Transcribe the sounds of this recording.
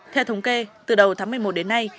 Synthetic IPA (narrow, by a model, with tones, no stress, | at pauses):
t̪ʰɛ˧wt̪ʰə˨˦wŋ͡mke˧t̪ɨ˨˩ɗə˨˩wt̪aː˨˦ŋmɨ˧˩əjmo˨˩t̚ɗe˨˦nːa˧j